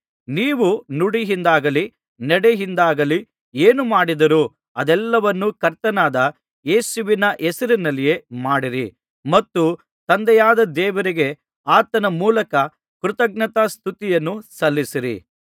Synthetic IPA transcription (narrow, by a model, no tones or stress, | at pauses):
niːʋunuɽiɦind̪aːɡɐli | nɛɽeɦind̪aːɡɐli | eːnumaːɽid̪ɐɾu | ɐd̪ɛlːɐʋɐnːukɐɾt̪ɐnaːd̪ɐ | jeːsuʋinɐʔɛsɐɾinɐlːije̞maːɽiɾi | mɐt̪ːu | t̪ɐnd̪ɛjaːd̪ɐd̪ɛːʋɐɾiɡe̞ | aːt̪ɐnɐmuːlɐkɐ | kɾut̪ɐɡ̚nɐt̪ast̪ʰut̪ijɐnːusɐlːisiɾḭ